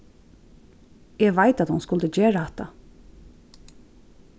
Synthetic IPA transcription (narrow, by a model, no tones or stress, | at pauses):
ɛɡʋaɪt̪at̪hʊnskʊlt̪əd͡ʒeːɹahɛt̪ːa̰